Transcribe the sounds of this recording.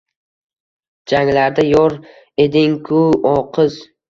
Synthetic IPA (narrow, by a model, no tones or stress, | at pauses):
d͡ʒaŋlaɾd̪ajɒɾ | ed̪ɪŋkʰʊɒqʰɨz